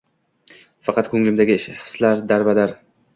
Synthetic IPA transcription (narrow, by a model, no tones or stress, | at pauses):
fɑqʰɑt̪̚kʰɵŋlɪmd̪aɡʲɪɪʃhɨ̥slaɾd̪aɾbad̪aɾ